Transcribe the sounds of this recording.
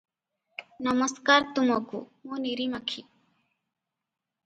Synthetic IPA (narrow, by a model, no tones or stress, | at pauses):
nɐmɐskaɾt̪umakṵmuniɾimɐkʰi